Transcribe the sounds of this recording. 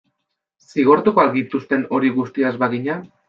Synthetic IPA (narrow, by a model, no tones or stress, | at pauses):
siɣ̞o̞ɾt̪ukoakɡit̪ust̪e̞no̞ɾiɣust̪iaezβaɣiɲa